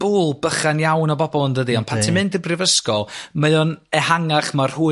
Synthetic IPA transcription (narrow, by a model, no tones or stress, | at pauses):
b̥uːlˠbəχanjawnɔbɔbɔlˠndədiɔnpʰantʰɪmɪndɪbrɪvəskɔlˠməðɔnɛhaŋaχmar̥huː